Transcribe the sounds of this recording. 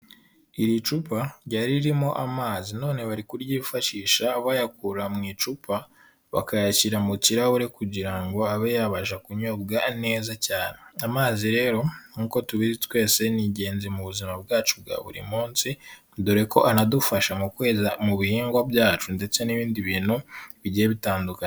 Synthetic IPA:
iɾit͡ʃupaɾɟaɾiɾimo̞ʔamaːzino̞ːne̞βaɾikuɾɟiːfaʃiːʃaːβajak̚uɾamŋiːt͡ʃupʰa | βa̰kajaciɾamuciɾahuɾe̞kuɟiɾaŋɡo̞aβejaβaʒakuɲob̚ɡane̞ːzacaːneamaːziɾe̞ːɾo̞nuːko̞tuβizitwe̞ːse̞niɟe̞ːnzimuβuzimab̚ɡaːt͡ʃubɡa̰βṵɾḭmuːnsi | duɾe̞ko̞ʔanadufaʃamukwe̞ːzamuβihiːŋɡwabjaːt͡ʃunde̞t͡se̞niβiːndiβiːnhuβiɟieβitaːnduka

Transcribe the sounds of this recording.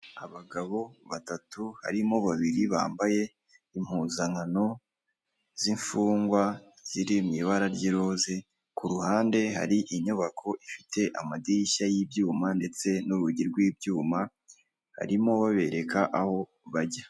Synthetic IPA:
aβaɡaβo̞βatatuha̰ɾimo̞βaβiɾiβa̰ːmbaje̞ | im̥huzaŋano̞ | z̥iɱfuːŋɡwa | z̥iɾimɲiβaɾaɾɟiɾo̞ze̞ | kuɾuhaːnde̞ɦa̰ɾiʔiɲuβakʰo̞ʔifitʰe̞ʔa̰madiɾiʃajibjuːmande̞t͡se̞nuɾuɟiɾɡwiːbjuːma | ha̰ɾimo̞βaβe̞ɾe̞kaʔaho̞ | βaɾɟa

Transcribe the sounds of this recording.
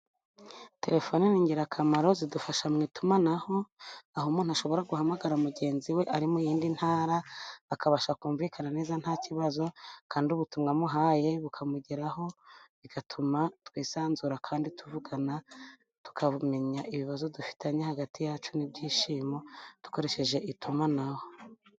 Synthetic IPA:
te̞ɾe̞fo̞niniːŋɡiɾakʰamaɾo̞zidufaʃamŋiːtumanaho̞aɦomuːnuhaʃo̞βo̞ɾaɡuhamaɡaɾaumuɡe̞ːnziwe̞ʔaɾimujiːndin̥haːɾaːkʰaβaʃakuːɱviːkʰanane̞ːzan̥haːciβazo̞kʰaːnduβutuŋɡamuɦaːje̞βukʰamuɟeɾaho̞ | iɡ̥atʰumatwiːsaːnzuɾakʰaːndituvuɡana | tu̥kʰaβume̞ɲaʔiβiβazodufi̥taɲehaɡatijaːt͡ʃunibɟiːʃiːmo̞d̥u̥ko̞ɾe̞ʃe̞ʒe̞ʔitumanaho̞

